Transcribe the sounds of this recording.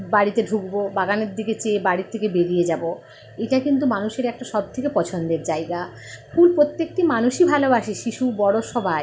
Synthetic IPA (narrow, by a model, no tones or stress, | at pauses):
baɽit̪eɖʱukbobaɡaneɾd̪iɡet͡ɕebaɽit̪ʰːekebeɾijed͡ʑabo | eʈakint̪̬umanuʃeɾɛk̚ʈaʃɔb̚t̪ʰekepɔt͡ɕʰond̪eɾd͡ʑajɡa | fʰulpɾot̪ːek̚ʈimanuʃibʱalobaʃeʃiʃubɔɽoʃɔbʱae